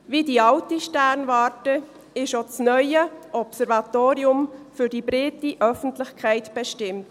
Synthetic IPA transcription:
viːdiɑltiʃtæɾnvɑːɾtə | ɪʃot͡snœʏəʔɔpsɛɾvɑt̪oːɾiʊmfyɾdibɾɪtiʔœfən̩tlɪxkʰæɪtb̥ɛʃtɪmt

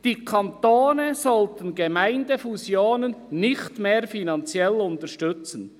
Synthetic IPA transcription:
d̥iːkʰɑntoːnəzɔltənɡemaɪndəfuzjoːnənːɪxtmeːɾfinɑnt͡sjɛlʊntəʃtʏt͡sən

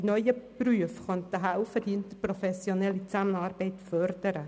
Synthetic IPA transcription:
d̥inɔʏjəpryəfχœnt̪əɦaʊfəd̥iɪnt̪əprɔfɛsjonɛlit͡samənɑːɾbɛɪtfœɾd̥əɾə

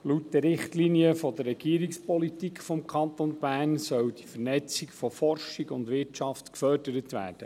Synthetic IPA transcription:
lutːdəɾɪχt̪liniəfɔd̪ərːɛɡ̥iːəɾikspɔlit̪ikχfɔmkʰɑnt̪ɔnb̥æːnsœwd̥ifəɾnɛt͡sikfɔfɔrʃiɡʊndʋɪrtt͡ʃɑftkfœrd̥əɾətʋæ̰ːɾd̥ə

